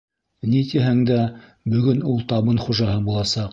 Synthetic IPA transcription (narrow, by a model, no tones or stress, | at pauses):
nit̪iɦæŋd̪æ | bɵ̆ɡɵnulˠt̪ɑβɤnχuʒɑɦɤbulˠɑsɑq